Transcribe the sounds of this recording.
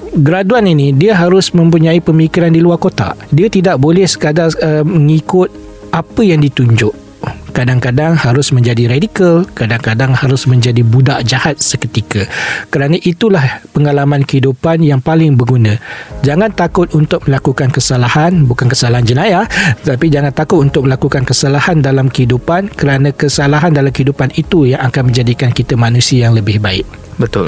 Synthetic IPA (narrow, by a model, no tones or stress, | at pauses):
ɡəɾaduaninidiəɦaɾʊsmə̃mpuɲãipəmikiɾandiluarkot̪a̰diət̪idaʔ̚bolɛhsə̥kadaəməŋikʊt̪̚ | ʔapəjaŋdit̪uɲd͡ʒʊʔ | kadaŋkadaŋhaɾʊsmə̃ɲd͡ʒadiɾadikəlkadaŋkadaŋhaɾʊsmə̃ɲd͡ʒadibudaʔd͡ʒahat̪̚səkət̪ikakəɾanãʔit̪ulahpəŋalamãnkəhidupanjaŋpalɪŋbəɡunãd͡ʒaŋãnt̪akʊt̪̚unt̪ʊk̚məlakukankəsalahanbukankəsalaɦand͡ʒənãjah̪ət̪apid͡ʒaŋãnt̪akʊt̪̚unt̪ʊk̚məlakukankəsalahandalamkəhidupankəɾanãkəsalaɦandalamkəhidupanit̪ujaŋakanmə̃ɲd͡ʒadikankit̪əmanũsiajaŋləbɪhbaɪ̰k̚ | bət̪ʊ̰l